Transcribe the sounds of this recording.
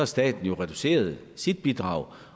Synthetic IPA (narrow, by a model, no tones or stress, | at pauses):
sd̥ɛ̰ːd̥n̩jo̝ʁɛd̥use̝̰ːɐð̞̩ˠ | sid̥̚b̥id̥ʁɑ̈ʊ